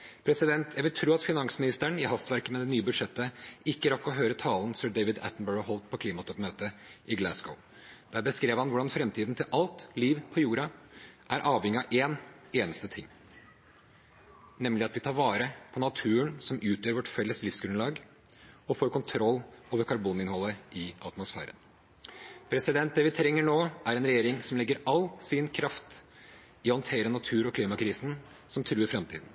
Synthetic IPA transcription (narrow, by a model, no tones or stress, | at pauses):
pʰɾɛsɪd̪ɛnt̪jæɪʋɪlt̪ʰɾuːɑt̪fɪnɑŋsmɪnɪst̪æɳɪhɑst̪ʋæɾkəmɛd̪ɛnyːəbʉd̪ʂɛt̪ːəɪkːəɾɑkːɔɦøːɾət̪ʰɑːln̩sœːɖeɪʋɪd̪æ̰t̪nbəːɹɑɦɔlt̪̚pʰɔkʰliːmɑt̪ʰɔpmøːt̪əʔɪɡlæsɡoʊ | d̪̥æːɾbəskɾeːʋhɑnʋʊɖɑnfɾɛmt̪ʰiːd̪n̩t̪ʰɪlʔɑlt̪liːʋpʰɔjuːɾɑʔæɾʔɑːʋhɛŋːɪɑʔeːn | eːnəst̪ət̪ʰɪŋː | nɛmlɪɑt̪ʋɪt̪ʰɑːɾʋɑːɾəpʰɔnɑt̪ʰʉːənsɔmʔʉːt̪jøːɾʋɔʈfɛlːəslɪfsɡɾʉnlɑːɡ | ɔfoːɾkʊnt̪ʰɾɔlːoːʋəɾkʰɑɾbuːnɪnhɔlːəɪʔɑt̪mʊsfæ̰ːɾə̰n | pʰɾɛsɪd̪ɛnt̪̚d̪ɛːʋɪt̪ʰɾɛŋːəɳoːæɾɛnɾɛjeːɾɪŋsɔmlɛɡːəɾɑlsɪnkʰɾɑft̪ | ɪhɔnt̪ʰeːɾənɑt̪ʰʉːɾɔkʰliːmɑkʰɾiːsn̩ | sɔmt̪ʰɾʉːəɾfɾɛmt̪ʰiːd̪n̩